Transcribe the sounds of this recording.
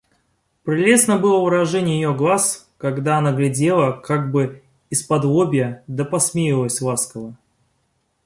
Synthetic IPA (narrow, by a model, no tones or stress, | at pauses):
pɾʲɪlʲe̞snəbɨlˠəvɨɾɐʐɛnʲɪjəjɪjoɡlˠas | kɐɡd̪aɐnaɡlʲɪdʲe̞lˠəkaɡ̚bɨ | ɪspɐd̪vobʲɪjəd̪əpɐsmʲejɪlˠəsʲlˠaskəvə